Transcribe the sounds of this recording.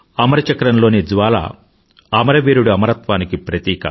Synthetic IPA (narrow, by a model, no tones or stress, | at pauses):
ɐmɐɾɐt͡ʃɐkɾɐnlo̞ːnid͡ʒʋaːlɐ̰ | ɐmɐɾɐʋiːɾuɽuɐmɐɾɐt̪ʋaːnikipɾɐt̪iːkɐ̰